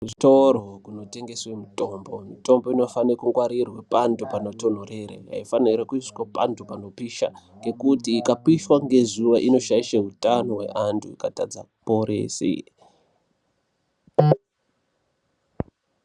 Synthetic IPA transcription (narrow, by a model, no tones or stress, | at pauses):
kuto̞ɾokuno̞te̞ŋɡe̞swe̞muto̞mbo̞mito̞mbo̞ino̞fanekuŋɡwaɾirwepantupano̞to̞n̤ore̞ɾḛɦa̰ifaniɾakuiskapantʰupano̞piʃa̰ŋɡe̞kutiːkapiʃwaŋɡe̞zuʋaʔino̞ʃaiʃeɦutano̞we̞̰ʔantʰuikatad͡za̰ | po̞ɾḛːsḭ